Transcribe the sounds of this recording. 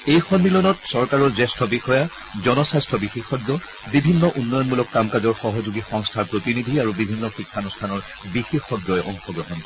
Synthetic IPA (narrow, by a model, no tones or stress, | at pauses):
ejxɔnːilɔnɔtsɔɹkaɹɔɹzɛstʰɔbixɔja | zɔnɔsastʰɔbixexɔɡjɔ | bibʱinːɔʔunːɔjɔnmulɔkːamkazɔɹxɔɦɔzuɡixɔŋstʰaɹpɹotinidʱiaɹubibʱinːɔxikʰːanɔstʰanɔɹ | bixexɔɡjɔɛʔɔ̰ŋxɔɡɹɔɦɔn